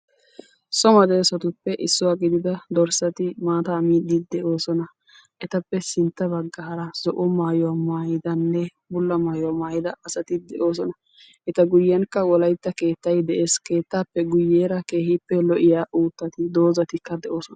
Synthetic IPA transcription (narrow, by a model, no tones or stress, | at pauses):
sɔmɐd̪ɛːsɐt̪ʊpːɛʔɪsːʊwaːɡɪd̪ɪd̪ɐd̪ɔɾsɐt̪ɪmaːt̪amiːd̪ɪd̪ɛʔo̞ːsɔnɐ | ʔɛt̪ɐpːɛsɪnt̪ːɐbɐɡːaːɾɐzɔʔɔmaːjʊwamaːjɪd̪ɐnːɛ | bʊlːɐmaːjʊwamaːjɪd̪ɐɐsɐt̪ɪd̪ɛʔo̞ːs̬ɔnɐ | ʔɛt̪ɐɡʊjːɛnkːɐwɔlɐjt̪ːɐke̞ːt̪ːɐjd̪ɛʔe̞ːske̞ːt̪ːaːpːɛɡʊjːeːɾɐke̞ːhɪpːɛlɔʔɪjaːʔuːt̪ːɐt̪ɪd̪o̞ːzɐt̪ɪkːɐd̪ɛʔo̞ːsɔn